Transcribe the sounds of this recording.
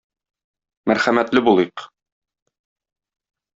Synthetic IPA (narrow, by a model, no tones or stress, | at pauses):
mæɾχæmæt̪lɘbulˠɤjq